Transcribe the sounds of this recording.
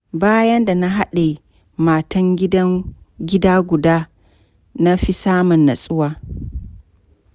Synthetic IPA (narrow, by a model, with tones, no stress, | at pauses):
baː˦jɐ˦nda˨na˦ɦa˦ɗe˨ | maː˨tɐ˦ŋɡʲɪ˦dɐ˦ŋ | ɡʲɪ˦daː˦ɡʷʊ˨daː˦ | na˦ɸi˦saː˦mɔ˨nːa̰˨sʼʊ˦waː˦